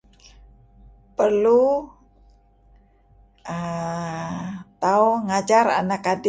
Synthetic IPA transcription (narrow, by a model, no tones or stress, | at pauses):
pərlu | ə | t̪auŋad͡ʒaɾa̰nakadi